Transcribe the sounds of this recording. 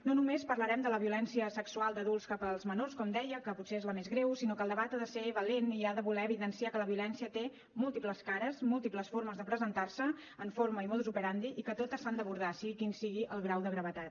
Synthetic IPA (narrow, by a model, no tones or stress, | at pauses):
nonumespərləɾɛmd̪ələβiulɛnsiəsəksualˠd̪əðulˠskapəlˠzmənorskɔmd̪ɛjəkəput̪seezləmezɣɾewsinokəlˠd̪əβat̪aðəseβəleniaðəβulɛəβiðənsiakələβiulɛnsiət̪e | mulˠt̪ipləskaɾəzmulˠt̪ipləsfoɾməzðəpɾəzənt̪arsəː | ɱfoɾməimɔðˠuzupəɾand̪iʔikət̪ot̪əsand̪əβuɾð̞asiɣikinsiɣiʔəlˠɣɾawðəɣɾəβət̪at̪